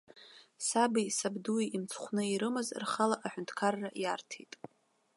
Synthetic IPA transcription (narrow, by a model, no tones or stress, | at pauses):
sabisabduiimt͡sʰχʷnɨiɾɨmɨzrχalaʔaħʷᶣʊntʰkʰarːajartʰejtʼ